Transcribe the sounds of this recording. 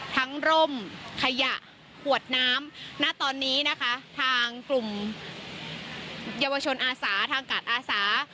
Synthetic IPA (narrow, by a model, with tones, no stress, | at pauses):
t̪ʰa˦˥ŋɾo˧˩mkʰa˧ja˨˩ʔ | kʰu˨˩ət̪̚naː˦˥mnaː˥˩t̪ɔː˧nːiː˦˥na˦˥kʰa˦˥t̪ʰaː˧ŋklu˨˩m | jaː˧wa˧t͡ɕʰo˧nʔaː˧saː˩˦t̪ʰaː˧ŋkaː˨˩t̪̚ʔaː˧saː˩˦